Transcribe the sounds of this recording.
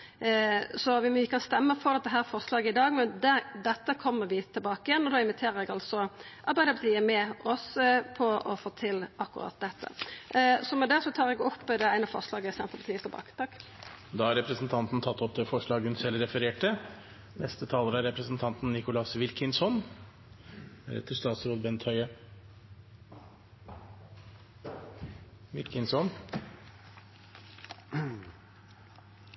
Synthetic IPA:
sɔʋɪmːəkʰɑnst̪ɛmːəfɔɾɑt̪̚d̪ɛɦæːɾfɔʁʂlɑːɡəɪd̪ɑːɡmɛnd̪æd̪ɛt̪ːəkʰɔmːəɾʋɪt̪ʰːɪlbɑːkəjɛnːɔd̪ɑːɪnʋɪt̪ʰeːɾəɾɛɡɑlsɔʔɑɾbæɪəpɑt̪ʰiːəmɛɔspʰɔɔfoːt̪ʰɪlɑkːʊɾɑ̰ːt̪̚d̪ɛt̪ʰːə̰ | sɔmɛd̪ɛsɔt̪ʰɑːɾɛɡɔpːd̪ɛæɪnəfɔ̰ʁʂlɑːɡəsɛnt̪ʁəpɑt̪iːət̪ʰɛbɑ̰ːkə̥t̪ʰɑk | d̪ɑːhɑɾɛpɾəsn̩t̪ʰɑnt̪n̩t̪ʰɑt̪ːɔp̚d̪ɛːfɔʂɭɑːɡʉnsɛləɾɛfəɾeːʈə | nɛst̪ət̪ʰɑːləɾəæɾɛpɾəsn̩t̪ʰɑnt̪n̩ːɪkʊlɑsʋɪlkənsɔn | æ̰ɾɛ̰t̪ːəʂt̪ɑːt̪sɾoːd̪bɛnt̪ʰhœʏə | ʋɪlkənsɔn

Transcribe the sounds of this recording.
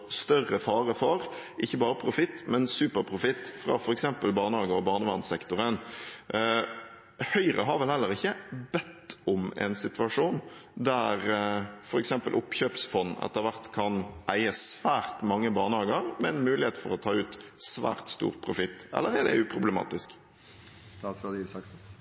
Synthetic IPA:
st̪œrəfɑːɾəfɔɾʔɪçːəbɑːɾəpʰɾʊfɪt̪ːmɛnsʉːpəɾpʰɾʊfɪt̪ːfɾɑ̰fɔɾɛksɛmpəlbɑːʁnəhɑːɡəɾɔbɑːʁnəʋɑnsɛkt̪ʊɾən | hœʏɾə̰ɦɑɾʋɛlhɛlːəɾɪçːəbɛt̪ːʊmɛ̰nsɪt̪ʉɑʂuːnd̪æɾfɔɾɛksɛmpəlʔʊpːçøːpsfɔnːɛ̰t̪ːəɾʋæʁt̪kʰɑnʔæɪəsʋæːɾt̪mɑŋːəbɑːʁnəhɑːɡəɾmɛnmʉːlɪheːt̪fɔɾɔt̪ʰɑːʉːt̪sʋæ̰ːɾt̪st̪ṵːɾpʰɾʊfɪt̪ːɛ̰lːəɾæd̪ɛ̰ʉːpʰɾʊbləmɑ̰ːt̪ɪsk | d̪̥ɑsɑd̪ɑk

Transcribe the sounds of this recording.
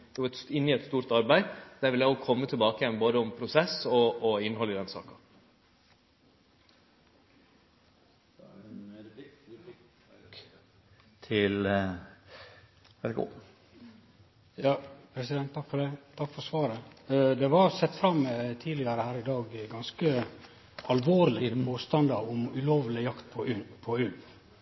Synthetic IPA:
d̪̥ɛʋɑɾɛt̪sɪnːɪɛt̪st̪uːɾt̪ɑɾbæɪd̪̥æɾʋɪljæɪɔkʰɔmːət̪ʰɪlbɑːkəjɛnboːd̪əɔmpʰɾʊsɛsɔːɪnhɔlːɪd̪ɛnsɑ̰ːkɑ̥ | t̪ʰɪl | ɛɾɡo̰ː | jɑːpʰɾɛsɪd̪ɛnt̪ʰːɑkfɔɖɛt̪ʰɑkfɔɾsʋɑːɾəd̪ɛʋɑɾsɛt̪ːfɾɑmːt̪ʰiːlɪəɾəhæːɾɪd̪ɑːɡɡɑnskə | ɑlʋoːɾlɪboːst̪ɑnd̪ɑʊmʉloːʋlɪjɑkt̪pʰɔpʰɔʉlʋ

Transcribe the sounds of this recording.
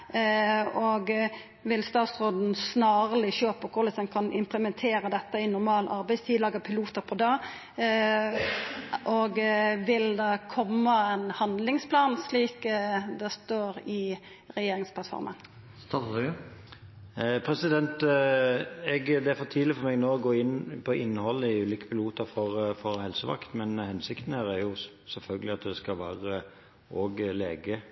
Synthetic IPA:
ɔɡ | ʋɪlst̪ɑːt̪sʁoːd̪n̩snɑːʁəlɪɕøːpəkʰʊɾlɪsɑmkʰɑnɪ̰mpləmɛnt̪ʰeːɾəd̪ɛt̪ːəɪnʊɾmɑːlʔɑ̰ɾbæɪst̪ʰiːd̪lɑːɡəpʰɪluːt̪əɾpʰɔd̪ɑː | ʔɔɡʋɪld̪ɛkʰɔmːəɛnhɑnd̪lɪŋspʰlɑːnsliːkd̪ɛst̪oːɾɪ | ɾɛjeːɾɪŋspʰlɑt̪fɔ̰ɾmə̰n | st̪ɑ | pʰɾɛsɪd̪ɛnt̪ | ɛɡd̪ɛæɾfɔt̪ʰiːlɪfɔɾmɛɡnoːɔɡoːɪnpʰɔʔɪnːhɔlːəɪʉːliːkə̥pʰɪluːt̪əɾfɔʁfɔɾhɛlsəʋɑ̰kt̪mɛnhɛnsɪkt̪n̩hæːɾæɾjʊ | sɛlfœlɡəlɪɑt̪d̪ɛskɑlʋæ̰ːʁə | ʔoːɡleːɡə

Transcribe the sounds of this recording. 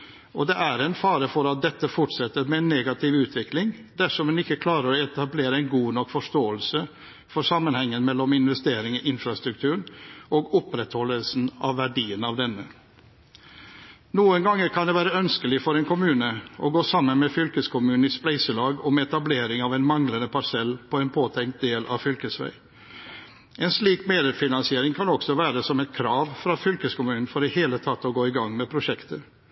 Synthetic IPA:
ɔd̪ɛʔæɾɛnfɑːɾəfɔɾɑt̪̚d̪ɛt̪ːəfʊʈsɛt̪ːəɾmɛɛnːeːɡɑt̪ʰɪʋʉːt̪ʰʋɪklɪŋd̪æʂɔmɛnɪkːəkʰlɑːɾəɾɔɛt̪ɑbleːɾəɛɪnɡuːnɔkfɔʂt̪oːəlsə | fɔsɑmːənhɛŋːənmɛlːɔmɪnʋɛst̪eːɾɪŋɔʔɪnfɾɑst̪ɾʉk̚t̪ʰʉːɾɳʔɔɡʊpɾɛt̪hɔlːəlsnɑ̰ʋːæɖiːənɑʋd̪ɛnːə | nuːənɡɑŋːəɾkʰɑnd̪ɛːʋæːɾəœnskəlɪfɔɾɛnkʰʊmʉːnəʔɔ̰ɡoːsɑmːənmɛfʏlkəskʰʊmʉːn̩ɪsplæɪsəlɑːɡɔmɛt̪ɑbleːɾɪŋɑʋɛnmɑŋlənəpʰɑsɛlpʰɔɛːnpʰoːt̪ʰɛŋkt̪̚d̪eːlʔɑ̰fʏlkəsʋæ̰ɪ | ʔɛnsliːkmeːd̪əɾfɪnɑnsɪeːɾɪŋkʰɑnɔksɔʋæːɾəsɔmɛt̪̚kʰɾɑːʋfɾɑfʏlkəskʊmʉːnn̩fɔɖɛheːlət̪ʰɑt̪ːɔɡoːɪɡɑŋːmɛpʰɾʊʃɛkt̪ə

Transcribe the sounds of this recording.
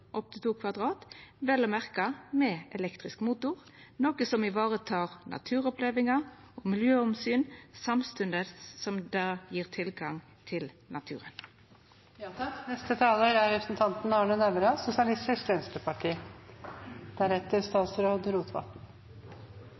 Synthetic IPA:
ʔɔp̚t̪ɪt̪uːkʰʋɑd̪ʁɑːt̪ʋɛlɔmæʁkɑmɛɛlɛkt̪ʁɪskmuːt̪ʊʁ | noːkəsɔmɪʋɑːʁət̪ʰɑːʁnɑ̰t̪ʰʉːʁɔpleːʋɪŋɑ | oːmɪljøːɔmsyːnsɑmst̪ʉnd̪əsɔmd̪ɑjiːʁt̪ʰɪlɡɑŋ | t̪ʰɪl | nɑt̪ʰʉ̰ːʁən | nɛst̪ət̪ʰɑːloːɾæɾɔsn̩t̪ʰɑnt̪n̩ɑːɳənæʋəɾɑsʊsɪɑlɪst̪ɪskʋɛnst̪ɾəpʰɑʈʰiː | d̪̥æɾɛt̪əɾst̪ɑːt̪sɾoːd̪ɾuːt̪ʰʋɑ̰t̪n̩

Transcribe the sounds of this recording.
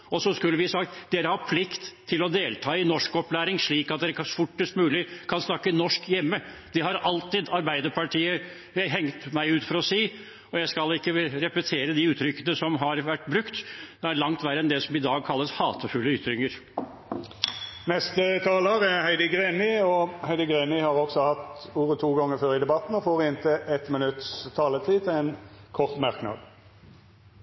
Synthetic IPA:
ɔsɔskʉlːəʋɪsɑkt̪d̪eːɾəhɑpʰlɪkt̪ʰːɪlɔd̪eːlt̪ʰɑːɪnɔʂkɔplæːɾɪŋʂɭiːkɑt̪d̪ɛːɾəfʊʈːəst̪mʉːlɪkʰɑnsnɑkːənɔʂkjɛmːə | d̪̥ɪhɑɾɑlt̪ɪd̪ɑɾbæɪd̪əɾpʰɑʈʰiːə | ɦɛŋt̪mæɪʉːt̪fɔɾɔsiː | ɔjæɪskɑlɪkːəɾɛpət̪ʰeːɾəd̪ɪʉːt̪ʰɾʏkːənəsɔmɦɑɾʋæʈːbɾʉkt̪d̪̥ɛæɾlɑŋt̪ʋæɾəɛnd̪ɛsɔmɪd̪ɑːɡ̚kʰɑlːəshɑːt̪ʰəfʉlːəʏt̪ːɾʏŋəɾ | nɛst̪ət̪ʰɑːləʁæhæɪd̪əɡʁeːnɪɔhæɪd̪əɡʁeːnɪhɑʁɔɡsɔhɑt̪uːʁət̪ʰuːɡɔŋːəføːɾɪd̪ɛbɑt̪n̩ɔfoːʁɪɪnt̪ʰəʔɛt̪mənʉt̪st̪ʰɑːlət̪ʰiːt̪ɪɛnkʰɔʁt̪mɑʁknɑ̰d̪

